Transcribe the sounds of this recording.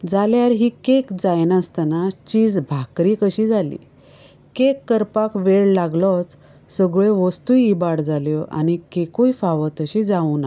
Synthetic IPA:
d͡zaljaɾɦikekd͡zajnast̪anat͡ɕiːd͡zbʱakɾiːkəɕid͡zʱalḭː | kekːəɾpakʋeɭlaɡlɔt͡s | səɡɭeʋəst̪ujibaɽd͡zaljɔʔa̰nikekujfaʋət̪əɕid͡zauna

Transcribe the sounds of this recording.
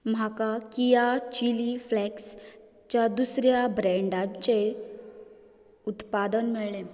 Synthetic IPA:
m̤akakijat͡ɕiliflɛks | t͡ɕjad̪usɾjabɾɛ̃ɳɖãɲt͡ɕe | ut̪pad̪ənmiɭlẽ

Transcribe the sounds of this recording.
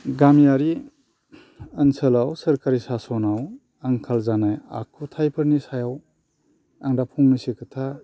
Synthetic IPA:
ɡamjaɾi | ɐnsɐlawsɐɾkaɾisasɔnaw | aŋkʰalzanaja̰kʰutʰajpʰɐɾnisajaw | aŋdapʰuŋnisikʰɐtʰa

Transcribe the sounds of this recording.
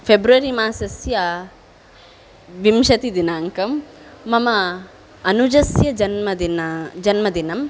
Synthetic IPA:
pʰebɾuʋɐɾimaːsɐsja | ʋimʃɐt̪id̪inaːŋkɐmː | ɐmɐ | ɐnud͡ʒɐsjɐd͡ʒɐnmɐd̪ind͡ʒɐnmɐd̪inɐm

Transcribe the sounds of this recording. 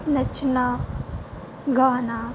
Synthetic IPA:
nɐt͡ʃʰina | ɡaːnaː

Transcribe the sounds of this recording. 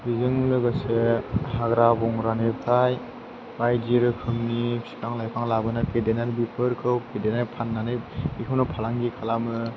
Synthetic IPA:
bizɯŋlɯɡasehaɡɾabɔŋɾanɯpʰaj | bajd͡ʒiɾɯkʰɯmnisi̥kʰaŋlajpʰaŋlabɯnɯpʰedenaɾbipʰɯɾkʰɯwpʰedenaɾpʰanːanɯbikʰɯwnɯpʰalaŋɡikʰalamɯ

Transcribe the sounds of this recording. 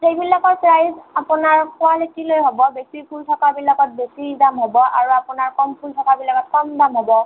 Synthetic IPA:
tejbilakɔtpɹajzapunaɹkʊaletilojɦobɔbjɔk̚tipʰultʰɔkabilaɡɔt̚besidamɦobɔʔa̰ɹuapunaɹkɔmpʰultʰɔkabilaɡɔt̚kɔmdamɦobɔ

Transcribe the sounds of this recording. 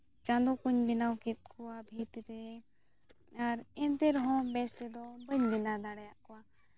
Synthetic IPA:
t͡ʃãnd̪ɔkuɲbinawkit̪̚kʰɔwabʱit̪ɾɛ | aɾɛnt̪ɛɾɔɦɔ̃mbɛst̪ɛd̪ɔbəɲbinad̪aɽɛjaʔkɔwa

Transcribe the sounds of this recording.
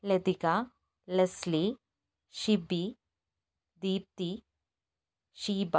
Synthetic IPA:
led̪ika | lɐsli | ʃibi | d̪iːp̚t̪i | ʃiːba

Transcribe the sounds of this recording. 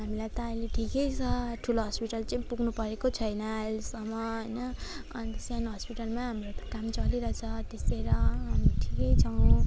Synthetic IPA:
ɦamilajt̪ʌːjleʈʰikʌjt͡sʰʌʈʰuloɦʌspiʈʌlt͡sãĩpuɡnupʌɾekot͡sʰʌjnʌːlesʌmːʌɦʌjnʌː | nisanɦʌspiʈʌlmaɦamrot̪ʌ̥kamt͡sʌliɾʌt͡sʰʌt̪eseɾʌɦamʈʰikʌjt͡sʰʌw̃

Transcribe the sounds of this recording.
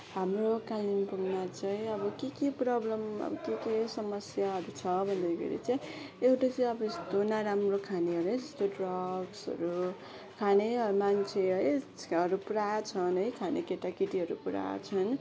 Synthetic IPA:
ɦamrokalimpuɡnat͡sʌĩʌbʌkekeprʌblʌmʌ̰bʌkekesʌmʌsjaɦʌɾut͡sʰʌbʱʌnd̪aɡʰʌ̰ɾḭt͡sʌĩ | ewʈat͡sʌj̃ʌbʌest̪onaɾamrokʰaneɦʌɾuʌd͡zʌst̪oɖrʌɡsʌ̰ɾu | kʰaneʌmant͡sʰeʌjʌɾupuɾat͡sʰʌnʌjkʰanekeʈakiʈiɦʌɾupuɾa̰t͡sʰʌn

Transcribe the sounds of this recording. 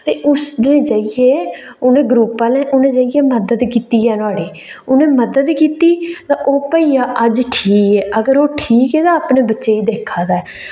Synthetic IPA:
t̪eːʔʊsd̪ẽːd͡ʒəijeːʊnẽːɡɾuːpːaːlɛ̃ːʔʊnẽːd͡ʒəɪjeːməd̪əd̪kiːt̪iːɛːnaːɽeː | ʊnẽːməd̪əd̪kiːt̪iːt̪ãːʔoːpəijaːʔəd͡ʒʈʰiːkɛːʔəɡəɾoːʈʰiːkɛːt̪ãːaːpneːbətːʃeːiːd̪eːkʰːaːd̪aːɛː

